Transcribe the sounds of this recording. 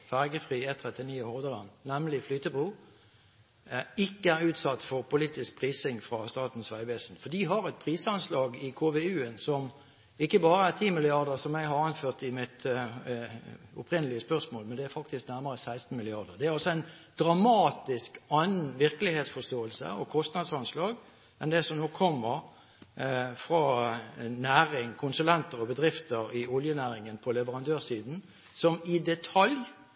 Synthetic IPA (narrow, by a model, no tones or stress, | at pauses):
fæʁɡəfʁiːɛt̪ʰʁɛt̪ːɪniːɪhoːʋd̪əʁlɑnːæmlɪflyːt̪əbʁuː | ɪkːəæʁʉːt̪sɑt̪ːfɔʁpʊliːt̪ɪsk̚pʰʁiːsɪŋfʁɑst̪ɑːt̪n̩sʋæɪʋɛsn̩fɔd̪iːɦɑʁɛt̪̚pʰʁiːsəɑnslɑːɡɪkʰoːʋeʉːənsɔm | ɪkːəbɑːɾəæʁt̪ʰiːmɪlɪɑʁd̪əʁsɔmæɪɦɑɾɑnføːʁt̪ɪmɪt̪ | ʊpʰʁɪnəlɪəspœʁsmoːlmɛnd̪ɛæɾfɑkt̪ɪsknæʁməʁəsæɪst̪n̩mɪlɪɑʁd̪əʁd̪ɛæɾɑlsɔæɪnd̪̥ɾɑmɑːt̪ɪskɑnn̩ʋɪʁkəlɪheːt̪sfɔʂt̪oːəlsə̰ɔkʰɔst̪nɑd̪sɑnslɑːɡ | ɛnd̪ɛsɔmnoːkʰɔmːəʁ | fʁɑ | næːɾɪŋkʰʊnsʉlɛnt̪əɾɔbəd̪ʁɪft̪əɾɪɔljənæːʁɪŋənpʰɔlɛʋəʁɑnd̪øːʁsiːd̪n̩ | sɔmɪd̪ɛt̪ʰɑlj